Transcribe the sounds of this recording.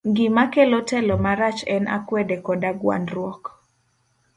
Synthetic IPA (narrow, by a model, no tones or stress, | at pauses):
ŋɡɪmakɛlɔtɛlɔmaɾat͡ʃɛnʔa̰kwɛdekɔdaɡwa̰nɾwɔk